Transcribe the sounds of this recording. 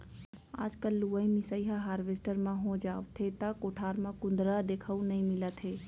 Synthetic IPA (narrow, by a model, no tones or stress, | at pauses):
a̰ːd͡ʒkəlːuʋəĩmisəiɦaɦaːɾʋesʈəɾmãɦõd͡ʒaːʋt̪ʰet̪əkoːʈʰaːɾmãkʊ̃nd̪ɾad̪ekʰəunəĩmɪlət̪ɦeː